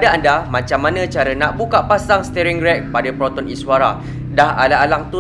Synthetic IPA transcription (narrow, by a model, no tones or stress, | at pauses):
daandamãt͡ʃamːãnãt͡ʃaɾanaʔbukaʔpasaŋst̪ɛɾɛŋɡɾɛk̚padapɾɔt̪ɔniswaɾa̰ | daɦa̰laːlaŋt̪u